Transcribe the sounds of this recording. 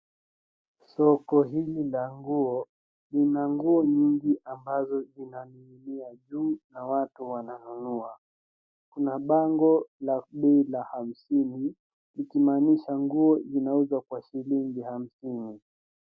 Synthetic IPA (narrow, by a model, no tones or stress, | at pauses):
sɔkɔɦililaŋɡuɔ | linaŋɡuɔɲiŋɡiʔambazɔzinaniimiaʄuːnawatuwananunua | kunaɓaŋɡɔlaɓɛilaham̩sini | likimaniʃaŋɡuɔzinauzwakwaʃiliŋɡiham̩sini